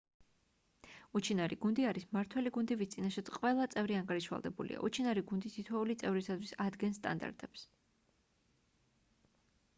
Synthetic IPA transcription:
ut͡ʃʰinaɾiɡund̪iaɾismaɾt̪ʰwɛliɡund̪ɛvist̪sʼinaʃat̪sqʼwɛlˠat̪sʼɛvɾiaŋɡaɾiʃwa̰lˠd̪ɛbulḭa̰ʔut͡ʃʰinaɾiɡund̪ist̪ʰit̪ʰwɛulit̪sʼɛvɾisat̪ʰwisad̪ɡɛnst̪ʼa̰nd̪a̰ɾt̪ʼɛps

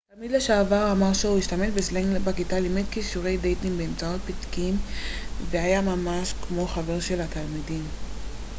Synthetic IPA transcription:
talmid̪leʃaavaʁamaʁʃeuiʃtametbesleŋɡlbakitalimed̪̚kiʃuʁe̞jdejtimbeːmt͡sao̞t̚pitkimveajamamaʃkmo̞χave̞ʁʃe̞lhat̪almidim

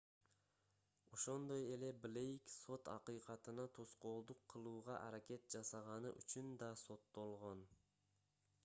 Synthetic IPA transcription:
o̞ʃo̞nd̪o̞je̞le̞blʲejkso̞t̪ɑ̰qɯjqɑt̪ɯnɑt̪ʰosqo̞ːlˠd̪uqʰːɯlˠuːʁɑ̰ʔɑɾake̞t̪̚d͡ʒɑsɑʁɑnɯ̰ʔyt͡ʃynd̪ɑso̞t̪ːo̞lˠʁo̞n

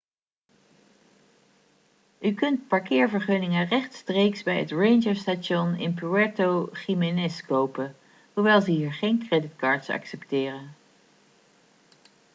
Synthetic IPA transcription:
ykɵntpɑɹkɪːɹvəɹχønɪŋərɛχtstrejksbɛjətrejnd͡ʒəɹstaʃɔnɪ̰npyɛtowχimenɪskowpə | huɹʋɛjlˠzəɦiːɹχejnkrɛdɪtkɑːɹtsɑ̰ksɛptɪːrən

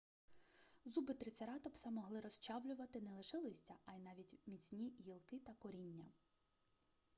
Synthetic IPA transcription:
zubɪt̪ɾɪsʲeɾɑt̪ɔpsɑmɔɦlˠɪɾɔst͡ʃɑwlʲʊʋɐt̪ɪnɛlˠɪʃɛlˠɔsʲtʲɐɑjnɑʋʲitʲmʲit͡sʲnʲijilˠkɪt̪ɐkɔɾʲinʲːɐ

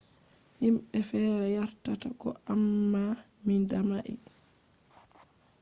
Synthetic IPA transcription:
himɓɛfɛːɾɛjaɾtatakɔ̰amːamindamaʔḭ

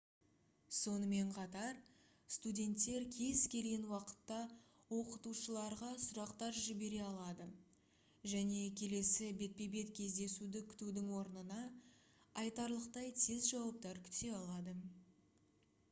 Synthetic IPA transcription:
so̞nəme̞ɴqʰɑt̪ɑɾ | st̪udʲe̞nt̪ːe̞ɾkʲʰe̞zkʲʰe̞lɡʲenwɑqə̥t̪ːɑ | wo̞qət̪uʃəlˠɑɾʁɑsʊɾɑqt̪ɑɾʒɪbe̞ɾe̞ɑlˠɑd̪ə | ʒæne̞kʲʰe̞le̞sɪbe̞t̪̚pe̞be̞t̪kʲʰe̞zd̪e̞sud̪ɪkʲʰʏ̥t̪ud̪ɪŋwo̞ɾnənɑ | ɑjt̪ɑɾlˠəqt̪ɑjt̪ʰezʒɑwɑp̚t̪ɑɾkʲʰʏ̥t̪e̞ɑlˠɑd̪ə

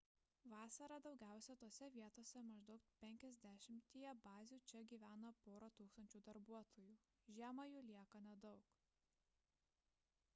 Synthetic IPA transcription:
ʋɑːsɐɾɑˑd̪ɒʊɡʲæˑʊsʲɛt̪oːsʲɛʋʲiɛt̪oːsʲɛmɐʒd̪ɐʊkt̪pʲɛŋʲkʲɛzʲd̪ʲæʃʲɪmʲt̪ʲiːjɛbɑːzʲuːt͡ʃʲɛɡʲiːʋʲæːnɐpoːɾot̪uːkst̪ɐnʲt͡ʃʲuːd̪ɐɾbuɔt̪ʰoːjuː | ʒʲæːmɐjuːlʲiɛkɐnʲɛd̪ɒʊk

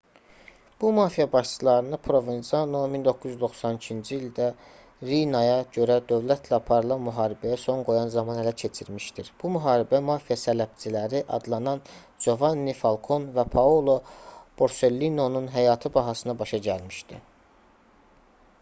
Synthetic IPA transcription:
b̥umɑfijɑbɑʃt͡ʃɯlˠɑɾɯnɯpʰɾo̞vinsɑnomind̪o̞kʰːuzyzd̪o̞xsɑnicʰind͡ʒiːld̪æ | ɾinɑjɑɟø̞ɾæd̪ø̞vlæt̪ʰlæɑpʰɑɾɯlˠɑnmyɦɑːɾibæjæso̞ŋɡo̞jɑnzɑmɑnælæcʰe̞t͡ʃʰiɾmiʃd̪iɾb̥umyɦɑːɾibæmɑːfijɑsælæb̚t͡ʃʰilæɾiʔɑ̰d̪lˠɑnɑn | d͡ʒo̞vɑnːifɑlˠkʰo̞nvæpʰɑolˠo̞b̥o̞ɾse̞lːino̞nunɦæjɑːt̪ʰɯbɑɦɑsɯnɑbɑʃɑɟælmiʃd̪ḭ

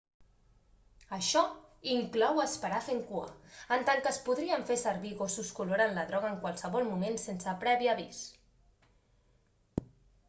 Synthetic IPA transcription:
əʃɔiŋklɔwəspəɾafeŋkuə̰ənt̪aŋkəspuðɾiəɱfesəɾβiɣosuskuluɾanləðɾɔɣ̞əŋkwalˠsəβɔlˠmumensensəpɾɛβiəβis

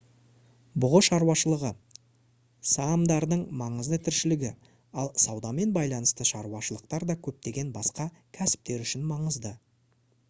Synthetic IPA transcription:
bʊʁəʃɑɾuɑʃəlˠəʁə | sɑmd̪ɑɾd̪əɴmɑɴəzd̪ət̪ʰɪɾʃɪlɪɡʲɪ | ɑlˠsɑwd̪ɑme̞nbɑjlˠɑnəst̪əʃɑɾwɑʃəlˠəq̚t̪ɑɾd̪ɑkʲʰɵp̚t̪e̞ɡʲe̞nbɑsqɑ | kʲʰæsɪ̥p̚t̪e̞ɾʏʃɪnmɑɴəzd̪ə

